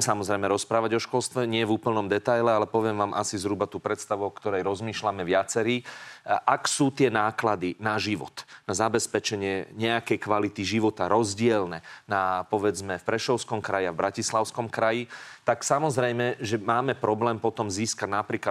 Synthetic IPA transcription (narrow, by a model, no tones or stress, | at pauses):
msamɔzɾɛjmɛɾɔspɾaːʋaɟɔʃkɔlst̪ʋɛɲɪɛvuːpl̩nɔmd̪ɛt̪ajlɛalɛpɔʋɪɛmʋaːmʔa̰sizɦɾubat̪uːpɾɛt̪st̪aʋuɔkt̪ɔɾɛjɾɔzmiːʃlamɛʋɪat͡sɛɾiːʔaksuːt̪ɪɛnaːklad̪inaʒiʋɔ̰t̪nazabɛspɛt͡ʃɛɲɪɛɲɛakɛjkʋalit̪iʒiʋɔt̪aɾɔzɟɪɛlnɛnapɔʋɛd͡zmɛfpɾɛʃɔʊskɔmkɾajiavbɾacislaʊskɔmkɾajit̪aksamɔzɾɛjmɛʒɛmaːmɛpɾɔblɛːmpɔt̪ɔmziːskaɟnapɾiːka